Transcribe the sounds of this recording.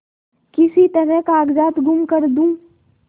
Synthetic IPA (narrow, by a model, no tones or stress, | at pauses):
kɪsit̪ɐɾəkaːɡd͡ʒaːt̪ɡʱʊmkəɾd̪ũː